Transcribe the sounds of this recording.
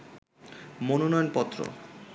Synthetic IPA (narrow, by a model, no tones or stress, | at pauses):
mononɔjonpɔt̪ːɾo̰